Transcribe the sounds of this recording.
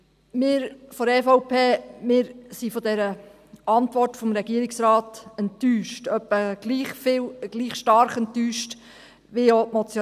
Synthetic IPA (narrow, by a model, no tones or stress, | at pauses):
mɪːɾfɔɾɛfɔʊpʰeːmɪːɾsifɔdɛɾə | ɑntvɔrtfɔmɾɛɡiəɾɪksɾɑːtɛntːyːʃtœpːəɡ̥liːχfɪwɡ̥liːχʃtɑɾχɛntːyːʃt | ʋiomɔt͡sj